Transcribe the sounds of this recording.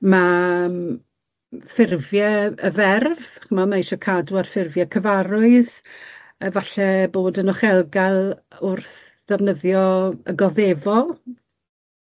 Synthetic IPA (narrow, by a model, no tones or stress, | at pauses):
mam | fɪrvjɛəvɛrvχəmamaiʃɔkʰaduarfɪrvjɛkʰəvaɾʊɨð | əvaɬɛboːdənɔχɛlˠɡalˠʊrθ | d̥ɛvnəðjɔəɡɔðevɔ